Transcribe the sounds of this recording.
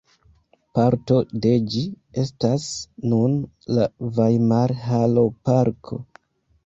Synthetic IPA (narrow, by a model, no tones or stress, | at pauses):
paɾto̞de̞d͡ʒi | e̞stasnun | lavajmaɾɦalo̞paɾkʰo̞̰